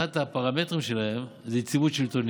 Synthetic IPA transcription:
at̪apaʁame̞t̪ʁimʃe̞lahe̞mzet͡sivut̪ʃelt̪on

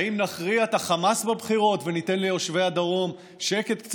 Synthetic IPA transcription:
imnaχʁiaet̪aχamasbabχiʁo̞t̪venit̪e̞nlio̞ʃve̞ad̪aʁo̞m | ʃeke̞t̪kt͡s

